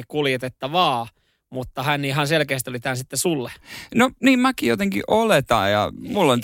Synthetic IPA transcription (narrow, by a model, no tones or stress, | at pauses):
ikkuljet̪et̪ːɑʋɑː | mut̪ːɑhænniːhɑnselkeːst̪iolit̪ænsit̪ːesulːenoniːmmækijot̪eŋkḭʔolet̪ɑ̰ːjjɑ̰mulːont̪